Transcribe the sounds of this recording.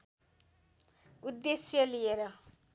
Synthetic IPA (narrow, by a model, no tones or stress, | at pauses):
ud̪ːesjʌlieɾʌ